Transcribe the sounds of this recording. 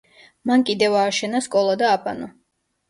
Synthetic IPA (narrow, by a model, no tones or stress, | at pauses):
mankʼid̪ɛvaːʃɛnaskʼɔlˠad̪aːpʼa̰nɔ